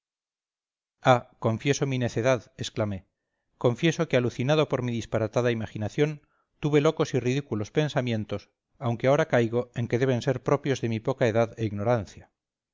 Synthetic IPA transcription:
ako̞ɱfje̞so̞mine̞θeðaðesklame | ko̞ɱfje̞so̞kealuθinað̞o̞po̞ɾmiðispaɾat̪aðaimaxinaθjo̞n | t̪uβe̞lo̞ko̞siriðikulo̞spe̞nsamjẽ̞nt̪o̞s | awŋkeao̞ɾakajɣo̞eŋke̞ðe̞βe̞nse̞ɾpɾo̞pjo̞zðe̞mipo̞kaeðaðe̞iɣno̞ɾan̟θja

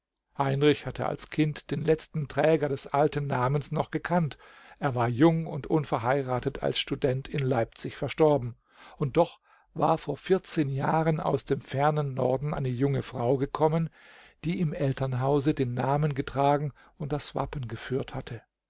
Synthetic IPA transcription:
haɪnʁɪçhatʰə̰a̰lskʰɪntd̥eːnlɛt͡stn̩tʁ̥ɛːɡɐdɛsʔaltn̩ːaːmənsnɔχɡ̥əkʰant | ʔeːɐvaːɐjʊŋʊntʔʊnfɛɐɦaɪʁaːtətʰa̰lsʃtudɛntʰɪnlaɪp̚t͡sɪçfɛɐʃtɔɐbm̩ | ʔʊnt̚d̥ɔχ | va̰ːɐfoːɐfɪɐt͡seːnjaːʁəna̰ʊsd̥eːmfɛɐnənːɔɐdn̩ʔa̰ɪnəjʊŋəfʁ̥aʊɡəkʰɔmən | d̥iːɪmʔɛltɐnɦaʊzədeːnːaːmənɡətʁ̥aːɡŋ̩ | ʊnt̚d̥asv̥a̰pən̩ɡəfyːɐthatʰə

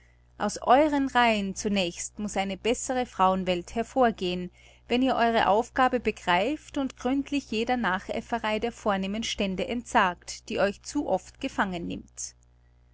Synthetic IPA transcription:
ʔaʊsʔɔʏʁənʁaɪənt͡sunɛːçstmʊsʔaɪnəbɛsəʁəfʁ̥aʊənvɛlthɛɐfoːɐɡeːən | vɛniːɐʔɔʏʁ̞əʔaʊfɡ̥aːbəbəɡʁaɪftʊntɡ̥ʁʏntʰlɪçjeːdɐnaːχʔɛ̰fəʁaɪdeːɐfoːɐneːmənʃtɛndəʔɛntz̥aːktd̥iːʔɔʏçt͡suːʔɔftɡ̥əfaŋənːɪ̰mt

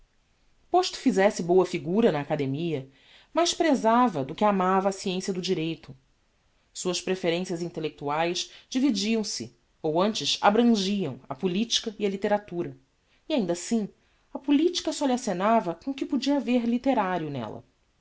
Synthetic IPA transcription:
poʃt̪ʊ̥fizɛsɪbowɐfiɡuɾɐnɐːkad̪emiɐ | majʃpɾezavɐd̪ʊkɪamavɐːsiẽsjɐd̪ʊd͡ʒiɾejt̪ʊ | suɐspɾefeɾẽsjɐzĩnt̪elek̚t̪uajʃd͡ʒivid͡ʒiɐ̃w̃sɪ̰ | owɐ̃nt͡ʃɪza̰bɾɐ̃ʒiɐ̰̃w̃ɐpulit͡ʃi̥kɐiɐlit̪eɾat̪uɾɐ | iaĩnd̪ɐsĩ | ɐpulit͡ʃi̥kɐsɔliasenavɐkõʊkɪpud͡ʒiɐveɾlit̪eɾaɾjʊnɛ̰lɐ̰

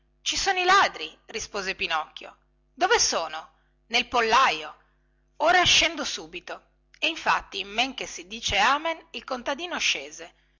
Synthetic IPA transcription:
t͡ʃisoːnoilaːd̪ɾirispoːzepinɔkʲːjo̰ | d̪ovesoːno | nelpolːajo | oːɾaʃɛnd̪osuːbit̪o | eiɱfa̰t̪ːimːeŋkesid̪iːt͡ʃeaːmenilkont̪ad̪iːnoaʃːeːze

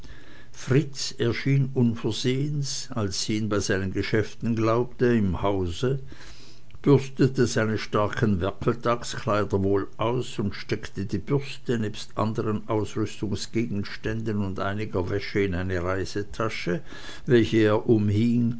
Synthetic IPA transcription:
fʁ̥ɪt͡sɛɐʃiːnʊnfɛɐzeːəns | alsiːnbaɪzaɪnənɡəʃɛftn̩ɡlaʊp̚təɪmhaʊzə | b̥ʏʁstətəzaɪnəʃtaɐkʰənvɛɐkʰl̩tʰakskʰl̥aɪdɐvoːlʔaʊsʊntʃtɛktədiːb̥ʏɐstənɛːpstʔa̰ndəʁənʔaʊsʁʏstʊŋsɡ̥eːɡn̩ʃtɛndənʊndʔa̰ɪnɪɡɐvɛʃəɪnaɪnəʁaɪz̥ətʰaʃə | vɛlçəeːɐʔʊmhiŋ

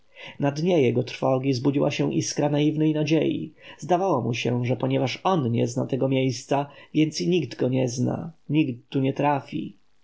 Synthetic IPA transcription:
nad̪ɲɛjɛɡɔt̪ɾfɔɡʲizbud͡ʑiwaɕɛw̃ʔiskɾanaivnɛjnad͡ʑejḭzd̪avawɔmuɕɛʐɛpɔɲɛvaʂɔnɲɛ̰zna̰t̪ɛɡɔmʲejst̪savʲjɛnt̪siɲiɡd̪ɡɔɲɛzna̰ɲikt̪ːuɲɛt̪ɾafʲḭ

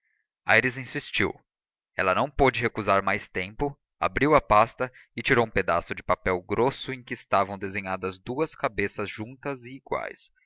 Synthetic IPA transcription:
a̰jɾizĩsist͡ʃḭw | ɛ̰lɐnɐ̃w̃pod͡ʒɪɦekuzaɾmajst̪ẽmpʊ | a̰bɾiwɐpast̪ɐ | ɪt͡ʃiɾowũped̪a̰sʊd͡ʒɪpapɛwɡɾosʊẽj̃kɪːst̪avɐ̃w̃d̪ezẽɲad̪ɐzd̪uɐskabesɐzʒũnt̪ɐzɪːɡwa̰js

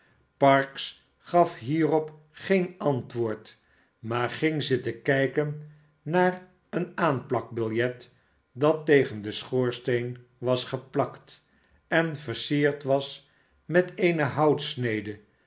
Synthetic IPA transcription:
pɑɹks | χɑfɦiːrɔp | χejnɑntʋʊːɹt | maːɹχɪŋzətəkɛjkənː | aːɹ | ənaːnplɑk̚bɪlˠjɛt | dɑtːejχəndəsχoːɹstejnʋɑsχəplɑkt | ɛnvəɹsiːɹtʋɑs | mɛtejnəɦɑwtsnejdə

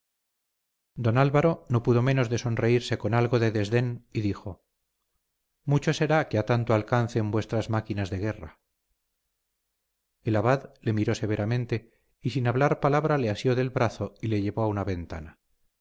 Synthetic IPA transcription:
d̪o̞nalβaɾo̞no̞puðo̞me̞no̞zðe̞so̞nre̞iɾse̞ko̞nalɣo̞ðe̞ðe̞zðe̞niðixo̞ | mut͡ʃo̞se̞ɾakeat̪ant̪oalkanθe̞mbwe̞st̪ɾazmakinazðe̞ɣ̞e̞ra | elaβaðle̞miɾo̞se̞βe̞ɾamẽ̞nt̪e̞ | isinaβlaɾpalaβɾale̞asjo̞ðe̞lβɾaθoile̞ʝe̞βo̞aunaβe̞nt̪a̰na

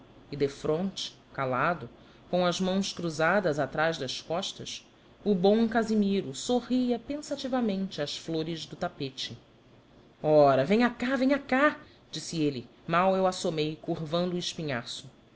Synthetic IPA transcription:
ɪd̪efɾõnt͡ʃɪ̥ | kalad̪ʊ | kõɐzmɐ̃w̃skɾuzad̪ɐzat̪ɾaʒd̪ɐskɔʃt̪ɐs | ubõw̃kazimiɾʊsoɦiɐpẽsat͡ʃivɐmẽnt͡ʃɪasfloɾɪzd̪ʊt̪apet͡ʃɪ | ɔɾɐvẽɲakavẽɲaka | d͡ʒisielɪ | mawewasomejkuhvɐ̃nd̪uːiʃpiɲasʊ

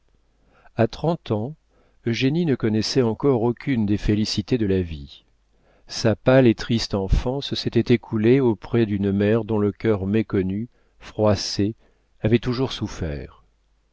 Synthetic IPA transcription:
at̪χɑ̃t̪ɑ̃ | øʒeninəkɔnɛsɛɑ̃kɔʁokʲynd̪efelisit̪ed̪əlavi | sapalet̪χist̪ɑ̃fɑ̃ssɛt̪ɛt̪ekʰuleopχɛd̪ynmɛʁd̪ɔ̃ləkʲœʁmekɔny | fχwase | avɛt̪uʒuʁsufɛ̰ːʁ

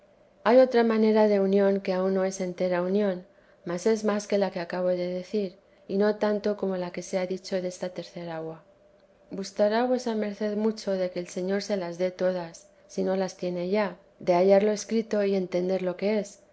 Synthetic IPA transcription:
ajo̞t̪ɾamãne̞ɾaðe̞unjõ̞ŋke̞aunːo̞e̞se̞nt̪e̞ɾaunjõ̞n | mase̞zmaske̞lake̞akaβ̞o̞ðe̞ðe̞θiɾ | ino̞t̪ant̪o̞ko̞mo̞lake̞seaðit͡ʃo̞ðe̞st̪at̪e̞ɾθe̞ɾaɣwa | ɡust̪aɾaβwe̞same̞ɾθe̞ðmut͡ʃo̞ðe̞ke̞ːlse̞ɲo̞ɾse̞lazðe̞t̪o̞ð̞asː | ino̞last̪je̞ne̞ʝa | d̪e̞aʝaɾlo̞e̞skɾit̪o̞ie̞nt̪e̞nd̪e̞ɾlo̞ke̞e̞s

